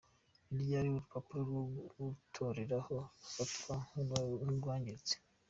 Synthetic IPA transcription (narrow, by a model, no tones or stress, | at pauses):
iɾjaɾiuɾupapʰaɾɡwoutʰoɾeɾahofapʰauuɡwaːɲɟet͡se̥